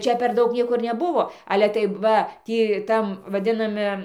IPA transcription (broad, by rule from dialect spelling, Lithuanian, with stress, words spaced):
ˈt͡ʃʲɛ pʲɛr ˈdɐʊk ˈnʲiɛkoː ɪr nʲɛˈbʊʋoː ˈɑːlʲɛ tɐɪ ˈʋɐ ˈtʲiː ˈtɐm ʋɐˈdʲɪnɐmʲɪ